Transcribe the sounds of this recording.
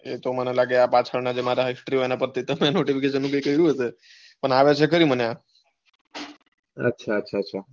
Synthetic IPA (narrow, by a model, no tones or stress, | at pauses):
ḛt̪omənelaɡeapat͡ʃʰəɾnad͡ʒemaɾaɦɪsʈɾiɦoenapəɾt̪ʰit̪əmenoʈifikeʃ̬ənːũkəjkəiɾũɦəse | pəɳaʋet͡ʃʰekəɾĩmənea | ə̰tːʃʰaətːʃʰaətːʃʰa